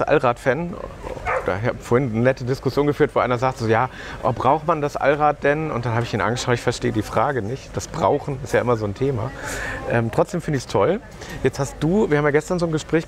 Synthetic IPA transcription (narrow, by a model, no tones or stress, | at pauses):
ʔa̰lʁaːtfɛn | d̥a̰ːçaːbfoːɐhɪnənɛtədɪskʊsjoːnɡəfyːɐtv̥oːʔaɪnɐzaːk̚tz̥oːjaː | ʔɔ̰bʁaʊxmandasʔa̰lʁaːt̚d̥ɛnʊ̰ntd̥anɦaːbɪçiːnʔa̰nɡəʃaʊɪçfɛɐʃteːədiːfʁ̥aːɡənɪçtd̥asb̥ʁa̰ʊxn̩ɪstjaːʔɪmɐzoːntʰeːma̰ʔɛːmtʁ̥ɔt͡sd̥eːmfɪndɪçstʰɔl | jɛt͡sthastd̥uːviːɐhaːmjaːɡɛstɐnzoːnɡəʃpʁ̥ɛːç